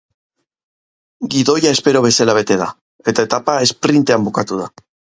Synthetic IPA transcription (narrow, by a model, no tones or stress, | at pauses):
ɡiðo̞jae̞spe̞ɾo̞β̞e̞salaβ̞e̞t̪e̞ða̰ | e̞t̪ae̞t̪apae̞spɾint̪e̞ambukat̪uða